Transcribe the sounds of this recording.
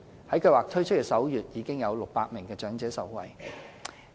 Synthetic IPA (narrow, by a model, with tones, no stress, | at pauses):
hɐ˨˥jkɵ˧waː˨k̚t̪ʰɵ˥ɥt͡ʃʰt̚kɛː˧sɐ˨˥wjyː˨t̚jiː˨˧kɪ˥ŋjɐ˨˧wlʊ˨k̚paː˧t̚mɪ˨˩ŋkɛː˧t͡ʃœː˨˥ŋt͡sɛː˨˥sɐ̰˨˥wwɐ̰˨˩j